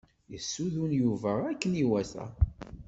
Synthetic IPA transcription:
jəsːuðunjuvəʁækːəniwæθæ̰

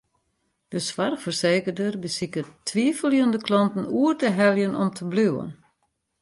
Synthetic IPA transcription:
d̥əsʋarfərseːkərdərbəsikətʰːʋiːfəlˠjəndəklɔntn̩uərdəɦɛlˠjənɔmtʰəblywə̰n

